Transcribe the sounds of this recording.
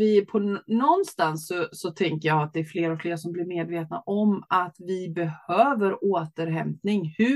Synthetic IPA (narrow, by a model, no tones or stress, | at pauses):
vɪpʰɔnɔnːst̪ansːɔsɔt̪ʰɛŋkəɾjɑat̪̚d̪ɛːɾfleːɾɔkfleːɾasɔmblɪɾmeːd̪veːt̪na̰ʔɔmat̪vɪbɛhøːvəɾoːt̪əɾɦɛmp̪nɪŋhɵ